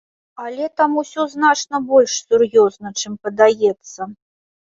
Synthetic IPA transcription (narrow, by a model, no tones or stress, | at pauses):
alʲɛt̪amusʲɔznat͡ʂnɐbɔlʲʂsʲurjɔznɐt͡ʂɨmpɐd̪ajɛt̪sːɐ